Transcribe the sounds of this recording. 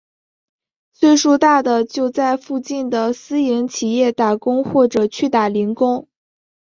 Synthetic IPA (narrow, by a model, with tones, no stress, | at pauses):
t͡sʰwe˥˩ɪʂɔ˥˧t̪a˥˩d̪ə˩t͡ɕjo˥˧ʊt͡sa˥˧ɪfu˥˧t͡ɕi˥˩nd̪ə˩sɹ̩˥jɛ˧˥nt͡ɕʰi˨˩jɛ˥˩t̪a˨˩kʊ˥ŋxwɔ˥˩ʈ͡ʂɤ˨˩t͡ɕʰy˥˩t̪a˨˩li˧˥ŋkʊ˥ŋ